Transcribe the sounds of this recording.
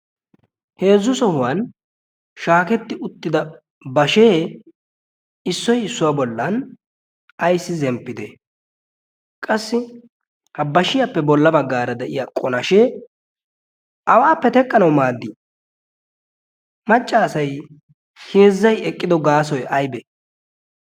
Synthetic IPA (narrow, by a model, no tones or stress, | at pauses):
he̞ːzːʊsɔhʊwɐn | ʃaːkɛt̪ːɪʔʊt̪ːɪd̪ɐ | bɐʃeː | ɪsːɔjɪsːʊwabɔlːɐn | ɐjsːɪzɛmpːɪd̪ɛ | kʼɐsːɪ | hɐbɐʃɪjɐpːɛbɔlːɐbɐɡːaːɾɐd̪ɛʔɪjaːkʼɔnɐʃeː | ɐwaːpːɛt̪ɛkʼːɐnɐwmaːd̪ːi | mɐt͡ʃʼːaːsɐj | heːzːɐjɛkʼːɪd̪ɔɡaːsɔjɐjbe